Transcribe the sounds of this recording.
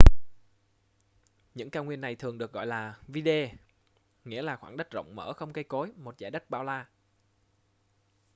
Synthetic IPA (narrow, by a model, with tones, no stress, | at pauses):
ɲɨ̰˧˥ŋkaː˧ŋwi˧ənːa˨˩jt̪ʰɨ˨˩əŋɗək̚ɣɔ̰˧˨jlaː˨˩vi˧ɗe˧ | ŋḭ˧˥əlaː˨˩xwaː˧˩ŋɗə˦˥t̚zə̰˧˨wŋ͡mmə̰ː˧˩xə˧wŋ͡mkə˧jko˨˦jmo˨˩t̚za̰ː˧˩jɗə˦˥t̚ɓaː˧wlaː˧